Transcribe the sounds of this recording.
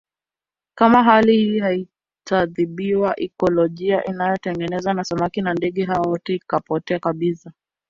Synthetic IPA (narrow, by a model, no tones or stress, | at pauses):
kamaɦalihihai | taðiɓiwaʔɛkɔlɔʄiaʔinajɔtɛŋɡɛnɛzanasamakinandɛɠɛɦaaɔtɛikapɔtɛakaɓisa